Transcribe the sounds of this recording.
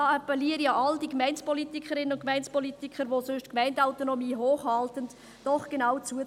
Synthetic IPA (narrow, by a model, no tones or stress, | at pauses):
ɑɑpɛliəɾijɑːʔɑldikmɛɪnspɔlitikχəɾɪnənʊnkmæɪnt͡spɔlitikχəɾʋosøʃtkmæɪndaʊtonɔmiːɦoːχhɑltənd | d̥ɔχɡ̥enawt͡suə